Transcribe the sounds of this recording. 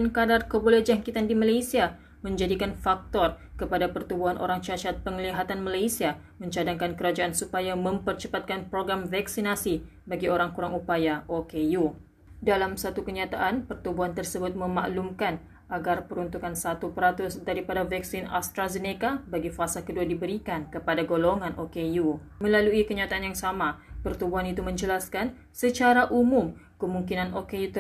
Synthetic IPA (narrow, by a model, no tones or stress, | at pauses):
nkadarkəbolɛhd͡ʒaŋkit̪andimalajsia | mə̃ɲd͡ʒadikanfak̚t̪ɔrkəpadapərt̪ubuɦanʔo̰ɾaŋt͡ʃaʃat̪̚pəŋəliɦat̪anmalajsia | mə̃ɲt͡ʃadaŋkankəɾad͡ʒaʔansupajamə̃mpərt͡ʃəpat̪̚kanpɾoɡɾamvaksinasi | baɡioɾaŋkuɾaŋupajaʔokeju | dalamsat̪ukəɲat̪aʔanpərt̪ubuɦant̪ərsəbʊt̪̚mə̃ma̰ʔlumkan | aɡarpəɾunt̪ukansat̪upɾat̪ʊsdaɾipadavaksina̰st̪ɾazənekabaɡifasakəduadibəɾikankəpadaɡoloŋãnʔokeju | mə̃laluikəɲat̪aanjaŋsamapərt̪ubuɦanit̪umə̃ɲd͡ʒəlaskan | sət͡ʃaɾaʔumʊm | kəmuŋkinãnokejut̪